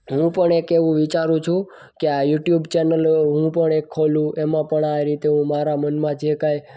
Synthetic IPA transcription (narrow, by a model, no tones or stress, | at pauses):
ɦũpəɳekeʋũʋit͡ʃaɾũt͡ʃʰũ | keajuʈjubt͡ʃenəlɦũpəɳekʰːolũʔemãpəɳaɾit̪eɦũmaɾamənmãd͡ʒekaj